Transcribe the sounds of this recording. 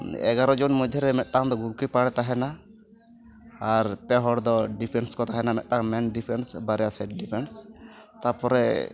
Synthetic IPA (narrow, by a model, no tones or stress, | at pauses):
ɛ̰ɡaɾɔd͡ʒunmujd̪ʱːɔɾɛmɛt̪̚ˀʈaŋd̪ɔɡuɾkipaɽɛt̪aɦɛna | ɾpɛɦɔɽd̪ɔɖipʰɛnskɔt̪aɦɛnamɛt̪̚ʈaŋmɛnɖipʰɛnsbaɾɛjasɛʈ̚ɖipʰɛnst̪apɔɾɛ